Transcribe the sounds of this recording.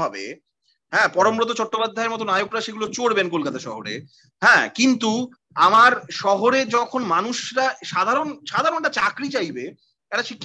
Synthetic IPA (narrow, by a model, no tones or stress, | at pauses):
ɔbḛ | ɦɛ̃ːpɔɾomɾot̪̬ot͡ɕɔʈːopad̪ʱːaeɾmɔt̪̬onajokɾaʃeɡulot͡ɕoɽbenkolkat̪aʃɔɦoɾḛ | ɦɛ̃ːkint̪u | amaɾʃɔɦoɾed͡ʑɔkʰonmanuʃɾaʃad̪ʱaɾonʃad̪ʱaɾonʈat͡ɕakɾit͡ɕajbe | ɛʈaʃʰikː